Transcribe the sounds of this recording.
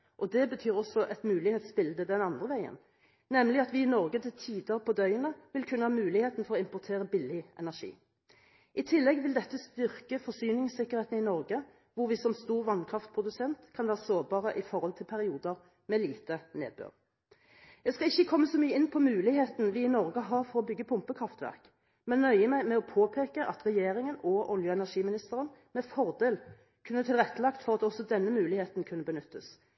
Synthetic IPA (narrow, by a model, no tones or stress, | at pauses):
ʔɔd̪ɛbət̪ʰyːʁɔsɔʔɛt̪mʉːlɪheːt̪sbɪld̪əd̪ɛnɑnd̪ʁəʋæɪə̰n | nɛmlɪɑt̪ʋɪːnɔɾɡəd̪ɛt̪ʰiːd̪ɑpʰɔd̪œʏənəʋɪlkʰʉnːəhɑːmʉːlɪheːt̪n̩fɔʁɔɪmpʊt̪ʰeːʁəbɪlɪɛ̰næʁʂḭː | ʔɪt̪ʰɪlːɛɡʋɪld̪ɛt̪ːəst̪ʏʁkəfɔsyːnɪŋsɪkːəʁheːt̪n̩ɪnɔʁɡə | ʋʊɾʋɪsɔmst̪uːʁʋɑnkʰʁɑft̪̚pʰʁʊd̪ʉsɛnt̪kʰɑnʋæːʁəsoːʁbɑːʁəʔɪfɔɾhɔlt̪ʰɪlpʰæʁɪuːd̪əʁ | mɛliːt̪ənḛːd̪̚bø̰ːʁ | jæɡskɑlɪçːəkʰɔmːəsɔmyːəɪnpʰɔmʉːlɪɦeːt̪nʋɪɪnɔɾɡəɦɑʁfɔʁɔbʏɡːəpʰʊmpəkʰʁɑft̪ʋæ̰ʁk | mɛnœʏəmæɪmɛɔpʰoːpʰeːkəʔɑt̪ʁɛjeːɾɪŋənɔʔɔljəɛnæʁʂiːmɪnɪst̪əʁənmɛfɔʁd̪eːl | kʰʉnːət̪ʰɪlʁɛt̪ːəlɑkt̪fɔʁɑt̪ɔsɔd̪ɛnːəmʉːlɪheːt̪n̩kʰʉnːəbənʏt̪ːəs